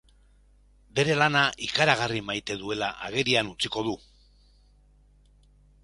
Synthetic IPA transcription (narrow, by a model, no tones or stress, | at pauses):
be̞ɾe̞lanaʔikaɾaɣ̞arimajt̪e̞ðue̞laʔa̰ɣe̞ɾianut͡siko̞ð̞u